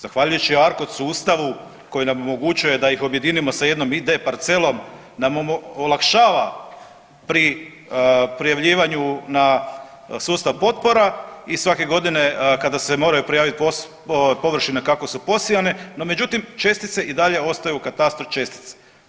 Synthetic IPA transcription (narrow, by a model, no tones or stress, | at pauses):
zaxʋaʎujut͡ɕiaɾkot̪suːst̪aʋu | ko̞jinamo̞mo̞ɡut͡ʃuje̞d̪ajixo̞bje̞d̪inimo̞saje̞d̪no̞mid̪e̞paɾt̪se̞lˠo̞m | namooolˠakʃaːʋa | pɾi | pɾijaʋʎiːʋaɲuna | suːst̪aʋpo̞t̪̚po̞ɾaisʋake̞ɡo̞d̪ine̞kad̪asemo̞ːɾajupɾijaːʋit̪̚po | po̞ʋr̩ʃinakako̞supo̞sijane̞no̞me̞d͡ʒut̪imt͡ʃe̞st̪it̪se̞ʔid̪aʎe̞o̞st̪ajukat̪ast̪ɾoft͡ʃe̞st̪i̥t̪se̥